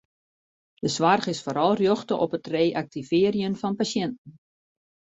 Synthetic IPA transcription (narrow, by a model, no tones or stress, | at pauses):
d̥əsʋarχɪsfoːɾɔlˠrjoxtəʔɔpətreːʔak̚tivɪərjənfɔnpasjɛntn̩